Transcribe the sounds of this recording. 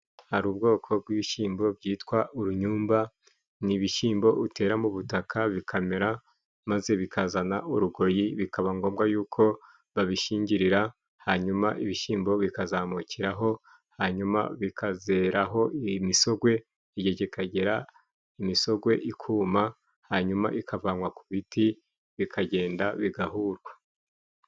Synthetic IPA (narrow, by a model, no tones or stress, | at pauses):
haɾuːbɡo̞ːkʰo̞b̚ɡiβiʃiːmbo̞bɟiːtwaʔuɾuɲuːmba | niβiʃiːmbo̞ute̞ːɾamuβutakʰaβikʰameɾa | maze̞βikʰazanaʔuɾuɡo̞ɾjiβikaβaŋɡo̞ːmɡajuːkʰo̞ | βaβiʃiːɲɟiɾiɾa | haɲumaʔiβiʃiːmbo̞βikazaːmuciɾaɦo̞ | haɲuma̰βikʰaze̞ɾaɦo̞imiso̞ɡwe̞ː | ɟeɟeikaɟe̞ɾa | imiso̞ɡwe̞ʔikʰuːma | haɲuma̰ʔikʰavaŋwakuβiti | βikʰaɟe̞ːndaβiɡaɦuːɾɡwḁ